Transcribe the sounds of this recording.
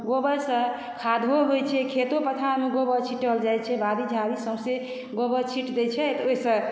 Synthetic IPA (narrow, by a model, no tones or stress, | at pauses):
ɡobəɾsə̃ | kʰad̪ʱoɦojt͡ʃʰɛkʰet̪opət̪ʰaɾmeɡobət͡ʃʰiʈəld͡ʒajt͡ʃʰɛbad̪id͡ʒʱaɾisəbse | ɡobət͡ʃʰiʈd̪et͡ʃʰɛt̪oisə̃